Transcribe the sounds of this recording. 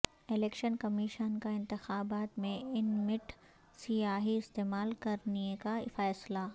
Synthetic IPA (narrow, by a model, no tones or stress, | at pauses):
ɪleːkʃənkɐmiːʃənkaɪ̃nt̪ɪxaːbaːt̪mẽɪnmɪʈʰ | sijaːɦiɪst̪eːmaːlkɐɾnikafɛːsla